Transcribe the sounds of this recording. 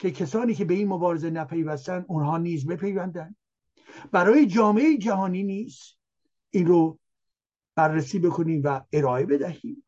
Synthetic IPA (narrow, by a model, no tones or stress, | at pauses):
cʰe̞kʰesɒːniːcʰe̞be̞iːnmobɒːɾezenæpʰe̞jvæst̪ænd̪unɦɒːniːzbe̞pʰe̞jvænd̪ænd̪ | bæɾɒːjed͡ʒɒːme̞eid͡ʒæhɒːniːniːs | ʔiːnro | b̥ærːæsiːbe̞kʰoniːmvæeɾɒːe̞be̞d̪æhiːm